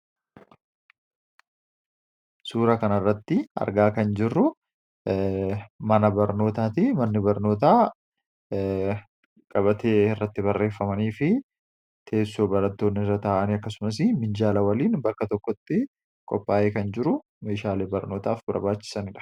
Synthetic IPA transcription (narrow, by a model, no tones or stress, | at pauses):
suːɾɐkɐnɐrːɐt̪ːɪɐ̰ɾɡaːkɐnd͡ʒɪrːʊ | mɐnɐbɐɾno̞ːt̪aːt̪ɪmɐnːɪbɐɾno̞ːt̪̬aː | kʼɐbɐt̪eːɪrːɐt̪ːɪbɐrːe̞ːfːɐmɐniːfɪ | t̪ʰe̞ːsːoːbɐɾɐt̪ːo̞ːnːɪɪrːɐt̪aːʔɐniɐkːɐsʊmɐsɪmɪnd͡ʒaːlɐwɐliːnbɐkːɐt̪ɔkːɔt̪ːɪ | kʼɔ̰pːaːʔeːkɐnd͡ʒɪɾʊ | me̞ːʃaːlebɐɾno̞ːt̪aːfbɐ̰ɾbaːt͡ʃːɪ̥sɐnɪᶑɐ̥